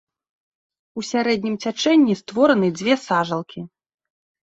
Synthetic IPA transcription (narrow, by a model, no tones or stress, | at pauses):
usʲaɾɛd̪̚ʲnʲimt͡sʲat͡ʂɛnʲːist̪vɔɾɐnɨd͡zʲvʲɛsaʐɐlˠkʲi